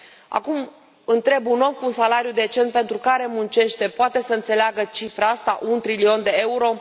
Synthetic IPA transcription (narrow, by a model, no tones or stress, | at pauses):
a̰kum | ɨnt̪ɾe̞buno̞mkuːnsalaɾjud̪e̞t͡ʃe̞nt̪̚pe̞nt̪ɾukaɾe̞munt͡ʃe̞ʃt̪e̞poat̪e̞səɨnt̪se̞leaɡət͡ʃifɾaast̪aʔunt̪ɾilio̞nd̪e̞e̞uɾo̞